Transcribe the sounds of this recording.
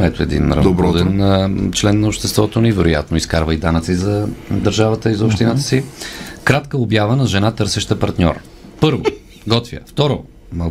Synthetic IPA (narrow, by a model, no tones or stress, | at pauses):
ɛt̪ʊɛd̪ḭnɾɐɾd̪ɛnt͡ʃlɛnːɐopʃt̪ɛst̪vɔt̪onɛvɛɾoja̰t̪noiskaɾvəid̪anət̪sizɐd̪əɾʒavət̪əizɐʊpʃt̪inat̪ə̥sikɾat̪kəobjavənɐʒɛnat̪ɤɾsɛʃt̪əpɐɾt̪ɲʲɔ̰ɾ | pɤɾvo̰ | ɡɔt̪vʲjə̰ft̪ɔɾo̰ | mɐ